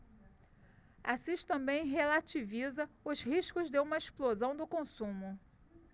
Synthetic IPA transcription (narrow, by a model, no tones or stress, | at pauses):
asiʃt̪ɐ̃mbẽj̃ɦelat͡ʃivizɐʊzhiʃkʊzd̪eũmɐeʃplozɐ̃w̃d̪ʊkõsũmʊ